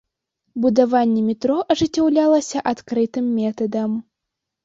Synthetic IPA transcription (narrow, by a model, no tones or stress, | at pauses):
bud̪avanʲːɛmʲit̪ɾɔʔɐʐɨt͡sʲːawlʲalˠɐsʲɐʔat̪kɾɨt̪ɨmːʲɛt̪ɐd̪ɐm